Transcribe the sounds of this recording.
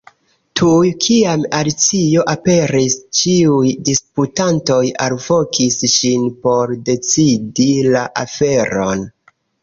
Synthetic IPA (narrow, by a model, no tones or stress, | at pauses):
tʰujkʰiamalit͡sioʔape̞ɾist͡ʃiujdisputanto̞jalvo̞kisʃinpo̞ɾde̞t͡sidilaʔafe̞ɾo̞n